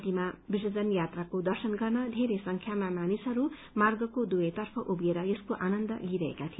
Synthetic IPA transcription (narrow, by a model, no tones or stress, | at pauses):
t̪imabisʌd͡zʌnjat̪rakod̪ʌrsʌnɡʌrnʌd̪ʱeɾesʌŋkʰjamamanisʌɾu | marɡʌkod̪ujet̪ʌrpʰʌʔubieɾʌjeskoʔanʌnd̪ʌ̰liɾʌɦḛkat̪ʰio